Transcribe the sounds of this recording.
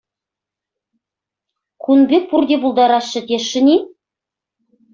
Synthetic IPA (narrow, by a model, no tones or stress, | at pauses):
kʰunbʲek̚purd̪ʲebulˠd̪ɑɾɑsːə̆t̪ʲeʃə̆nʲi